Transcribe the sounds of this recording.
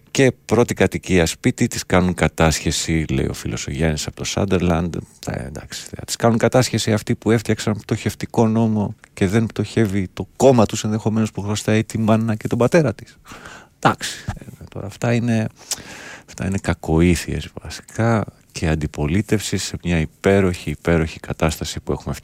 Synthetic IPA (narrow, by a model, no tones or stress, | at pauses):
ce̞pɾo̞t̪ikɐt̪iciɐspit̪it̪iskɐnuŋkɐt̪ɐsçe̞sile̞̰ḭo̞̰filo̞̰soʝɐnisɐpo̞t̪o̞sɐ̰d̪e̞ɾlɐnd̪̰nd̪ɐ̰ksi̥θeɐ̰t̪i̥skɐnuŋkɐt̪ɐsçe̞siɐft̪ipue̞ft̪çɐksɐnpt̪o̞çe̞ft̪iko̞no̞mo̞ce̞ðe̞npt̪o̞çe̞vit̪o̞ko̞mɐt̪use̞nðe̞xo̞me̞nospuɣɾost̪ɐit̪ibɐnːɐce̞t̪o̞bɐt̪e̞ɾɐt̪i̥sd̪̥ɐksi̥et̪o̞̰ɾɐ̰ːft̪ɐine̞ | ɐft̪ɐ̰ine̞kɐko̞iθie̞̰zvɐ̰si̥kɐ | cʰe̞ɐnd̪ipo̞lit̪e̞fsise̞mɲɐipe̞ɾo̞çiːpe̞ɾo̞çikɐt̪ɐst̪ɐsipue̞xumef